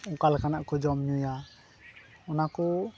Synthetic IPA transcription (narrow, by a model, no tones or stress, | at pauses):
ɔkalkanaʔkɔd͡ʒɔmɲuja | ɔnakɔ